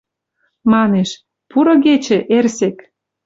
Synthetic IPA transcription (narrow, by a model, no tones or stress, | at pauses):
mɑneʃ | puɾɤ̆ɣet͡ɕĕʔersek